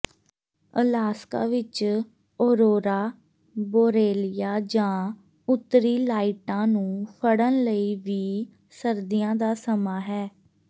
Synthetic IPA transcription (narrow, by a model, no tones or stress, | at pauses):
ə̰laːska̰ːʋɪt͡ʃ | oːɾoːɾaː | boːɾeːlɪjaːd͡ʒãː | ʊt̪ːɾiːlaːiʈãːnũːpʰəɽənləiːʋiː | səɾd̪ɪːjãːd̪aːsəmaːɦɛː